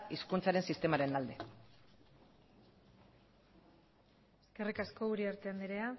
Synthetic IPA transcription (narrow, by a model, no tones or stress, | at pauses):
iskunt͡saɾe̞nsist̪e̞maɾe̞nald̪e | eske̞rikasko̞uɾiaɾt̪e̞and̪iɾe̞a